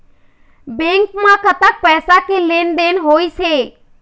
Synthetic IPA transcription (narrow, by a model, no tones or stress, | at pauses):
bẽːŋkmãːkət̪aːk̚pɛːsakeːleːnd̪eːnɦoːiːseː